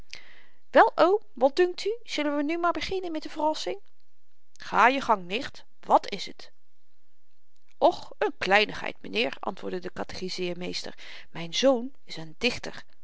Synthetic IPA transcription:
ʋɛlˠʔow | ʋɑt̚dɵŋk̚tyz̥ɵlənʋənymaːɹbəχɪnənmɛtdəvərɑsɪŋ | χaːjəχɑŋnɪχt | ʋɑtɪsət | ɔχ | ənklɛjnəχɦɛ̰jtmənɪːɹɑ̰ntʋʊːɹdədəkɑtə̥χizɪːɹmejstə̰ɹ | mɛjnzown | ɪsəndɪχtə̰ɹ

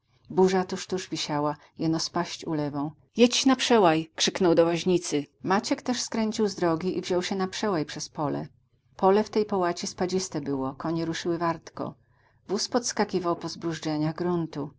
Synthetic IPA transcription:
buʐat̪uʂt̪uʐvʲiɕawa | jɛnɔspaɕt͡ɕulɛvɔ̃w̃ | jɛt͡ɕːnapʂɛwajkʂɘknɔwd̪ɔwaʑɲit̪sɘmat͡ɕɛkt̪ɛʂskɾɛɲʲt͡ɕiwzd̪ɾɔɡʲiʔḭvʑɔwɕɛnapʂɛwajpʂɛspɔlɛ̰ | pɔlɛft̪ɛjpɔwat͡ɕispad͡ʑist̪ɛbɘwɔkɔɲɛɾuʂɘwɘvaɾt̪kɔ̰ | vuspɔt̪skakʲivawpɔzbɾuʐd͡ʐɛɲaɣɡɾunt̪u

